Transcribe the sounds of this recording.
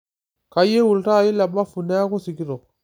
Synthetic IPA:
ka˨je˦wu˨lta˦˨ji˦la˨ba˦fu˨ne˦a˦ku˦si˨ki˦ɾo˨

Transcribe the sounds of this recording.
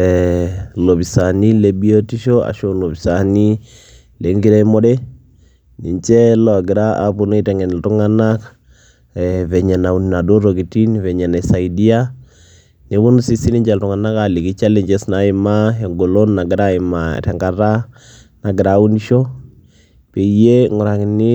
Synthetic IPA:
ɛlo˨βi˨sa˨ni˦le˨bi˦o˦ti˦ʃo˦a̰˨ʃo˨lo˨βi˨sa˨ni˦ | le˨ŋɡi˦ɾɛ˦mo˦ɗɛ˦ | ni˨ɲt͡ʃɛ˦lɔ˨a˨ɡɪ˨ɾa˦ʔa̰˦po˦no˦i˦tɛ˨ŋɛ˨n˨ltu˦ŋa˦na˦k | βɛ˨ɲɛ˨na˨u˨nina˨do˦ɾo˨ɡi˨ti˦nvɛ˨ɲɛ˨na˨sa˨i˨di˦a˦ | ne˨˦βo˦nu˦si˦si˦ni˦ɲd͡ʒa˨ltu˨ŋa˨na˦ka˨li˨ki˦t͡ʃa˦le˦ɲd͡ʒɛ˦sna˨˦ɪ˦ma˦e˨ŋɡo˨lo˦nːa˨ɡɪ˨˦ɾa˦ɪ˨ma̰˨tɛ˨ŋɡa˨ɾa˦ | na˨ɡɪ˨ɾa˦u˦ni˦ʃo˦ | pe˨je˦ŋʊ˨ɾa˨kni˦

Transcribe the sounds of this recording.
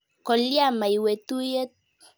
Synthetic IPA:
kɔ˨li˦a˦˨ma˨i˨we˨t̪u˦je˦t

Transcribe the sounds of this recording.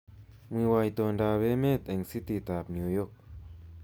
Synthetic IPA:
mɯ˧˨wa˧˨jt̪o˧˨ndaː˧we˦me˥˨t̪̚e˨ŋsi˦˥t̪i˧˨t̪a˨p̚nju˧jo˥˨k̚

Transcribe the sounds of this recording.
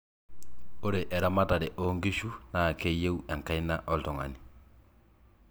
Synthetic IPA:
o˦ɾe˨ʔɛ˨ɾa˨ma˦ta˨ɾe˨ʔo˨˦ŋɡi˦ʃu˦na˨ke˦je˦u˦a˨ŋka˦i˦na˦ʔɔ˦ltɔ˨ŋa̰˨ni˨

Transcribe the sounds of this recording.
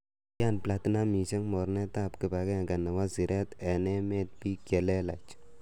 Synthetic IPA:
ja˦npla˨tina˦mi˨ʃɛ˦ŋmɔ˨ɾnɛ˦tapkɪ˨pa˨kɛ˦˨ŋɡa˨na˨wa˦si˨ɾɛ˦t̪ɛ˨nɛ˦me˦t̚pi˦kɛ˨lɛ˦la˨t͡ʃ

